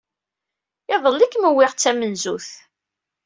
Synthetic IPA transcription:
ɪðˤəlːikːməwɪʁt͡sːæmənzuθ

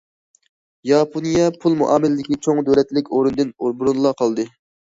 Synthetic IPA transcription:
jɑpʰonijɛpʰulˠmṵʔɑːmɪlɪd̪ɪkʲit͡ʃʰoŋd̪øɾɛt̪lɪkʲoɾund̪ɨnuɾbuɾunlˠɑqʰɑlˠd̪ɨ

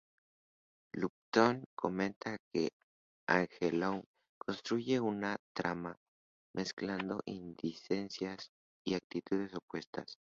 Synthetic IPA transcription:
lup̚t̪oŋkʰo̞mẽ̞nt̪ake | aŋxeloŋ | ko̞nst̪ɾuʝe̞unat̪ɾama | mʔe̞skland̪o̞̰ʔind̪ise̞nsjas | iak̚t̪it̪uðe̞so̞pwe̞st̪a̰s

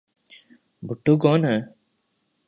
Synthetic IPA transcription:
buʈuɡɔna

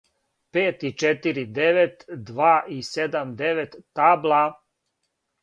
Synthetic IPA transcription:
peːt̪it͡ʃet̪iɾid̪eʋet̪d̪ʋaːʔised̪amd̪eʋet̪ːaːblˠa

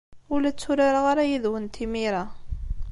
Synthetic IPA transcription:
ʊlæt͡sːuɾaɾaʁaɾajiðwənt̪ʰimiɾa

